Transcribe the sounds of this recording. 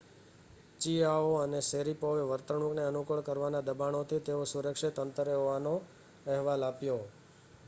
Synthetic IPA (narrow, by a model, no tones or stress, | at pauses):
t͡ʃiaoəneseɾipoʋeʋəɾt̪əɳukneənukəɭkəɾʋanad̪əbaɳ̃ot̪ʰit̪eosuɾəkʂit̪ənt̪ɾeɦoʋano | ɛɦʋalapjo